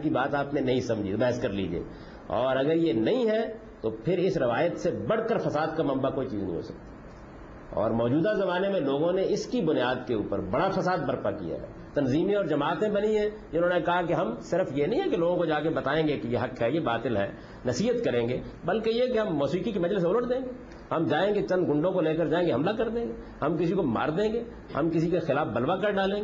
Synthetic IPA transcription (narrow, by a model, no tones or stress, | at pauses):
kibaːt̪aːpnenɐɦĩsɐ̃md͡ʒʱibɛɦəskɐɾlḭːd͡ʒḛː | ɔːɾɐɡəɾjenɐɦĩɦɛ | t̪opʰɪɾɪsɾɪʋaːjət̪sebɐɽ̤kəɾfɐsaːd̪̚kamɐ̃mbakoːit͡ʃḭːznḭ̃ɦo̰ːsɐk̚t̪i̥ | ɔ̰ːɾmɔːd͡ʒuːd̪azɐmaːnemẽloːɡõneɪskibʊnjaːd̪keuːpəɾbɐɽafɐsaːd̪̚bɐɾpakḭja̰ɦɛ̰ː | t̪ɐnziːmẽɔːɾd͡ʒɐmaːt̪ẽbɐnĩɦɛ̃ | ɪʊnõːnekɐɦakeɦɐmsɪɾfjenɐɦĩɦɛ̃keloːɡõkod͡ʒaːkebɐt̪aːẽːŋɡekejeɦɐkɦɛjebaːt̪ɪlɦɛ̰ː | nɐsiːət̪kɐɾẽːŋɡeːbɐlkejekeɦɐmːɔːsiːkikemɐd͡ʒlɪs̬oləʈd̪ẽːŋɡeː | hɐmd͡ʒaːẽːɡet͡ʃɐ̃nd̪ɡʊ̃ɳɖõkoleːk̬əɾd͡ʒaːẽːŋɡeɦɐmlakɐɾd̪ẽːŋɡe | hɐmkɪsikoma̰ːɾd̪ẽːŋɡeː | hɐ̰mkɪs̬ikexɪlaːfbɐlʋakɐɾɖaːlẽːɡe